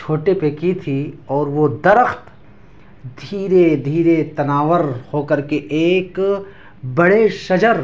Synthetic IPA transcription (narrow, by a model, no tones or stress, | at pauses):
t͡ʃʰoːʈepekit̪ʰiɔːɾʋod̪ɐɾəxt̪ | d̪ʱiːɾed̪ʱiːɾet̪ɐnaːʋəɾhoːkɐɾkeʔeːk | bɐɽeʃɐd͡ʒəɾ